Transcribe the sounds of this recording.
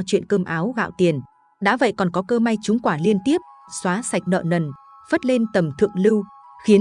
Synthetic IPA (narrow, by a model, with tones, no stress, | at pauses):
t͡ɕwḭ˧˨ənkəː˧mʔaː˨˦wɣa̰ː˧˨wt̪i˨˩ən | ɗa̰ː˧˥və̰˧˨jkɔ˨˩nkɔ˨˦kəː˧ma˧jt͡ɕʊ˨˦ŋ͡mkwaː˧˩li˧ənt̪i˦˥əp̚swaː˨˦sa˨˩jk̟̚nə̰ː˧˨nə˨˩n | fə˦˥t̚le˧nt̪ə˨˩mt̪ʰɨ̰˧˨əŋlɨ˧wxi˨˦ə